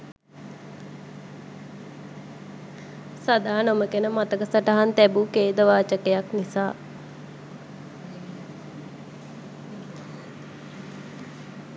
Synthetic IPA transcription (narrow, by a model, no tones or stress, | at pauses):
sad̪aːanoməkenəmat̪əkəsəʈaɦant̪ɛbukeːd̪əʋaːt͡ʃəkejaknisaː